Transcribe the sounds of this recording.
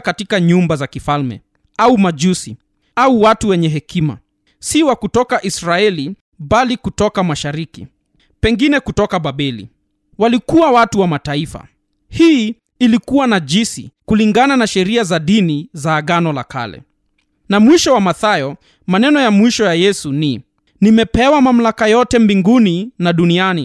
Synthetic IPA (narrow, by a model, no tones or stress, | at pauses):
katikaɲumbazakifalmɛ̰ | aumaʄusi | auwatuwɛɲɛɦɛkʰima̰ | siwakutɔkaʔisɾaɛli | ɓalikutɔkamaʃaɾikḭ | pɛŋɡinɛkutɔkaɓaɓɛlḭ | walikuwawatuwamataifa̰ | hiː | likuwanad͡ʒisḭkuliŋɡananaʃɛɾiazaɗinizaːɠanɔlakʰa̰lɛ̰ | namwiʃɔwamaθajɔ | manɛnɔjamwiʃɔjajɛsuni | nimɛpɛwamam̩lakajɔtɛmbiŋɡuninaɗuniani